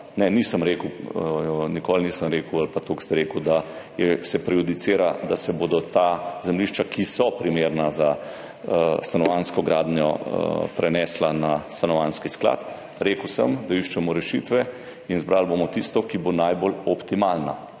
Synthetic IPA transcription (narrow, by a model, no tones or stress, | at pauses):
nɛniːsəmɾeːkw | nikolniːsəmɾeːkəwalpat̪okst̪ɛɾeːkəwd̪a | jɛsɛpɾɛjud̪it̪seːɾad̪asɛboːd̪ɔt̪azɛmliʃt͡ʃakisɔpɾimeːɾnaza | st̪anɔʋanskɔɡɾa̰ːd̪njɔ̰pɾɛnɛslanast̪anɔʋanskiskla̰t̪ | ɾeːkəwsəmd̪aiʃt͡ʃɛmɔɾɛʃit̪ʋɛ | inzbɾalbomɔt̪ist̪ɔkibonajbolɔpt̪imalna̰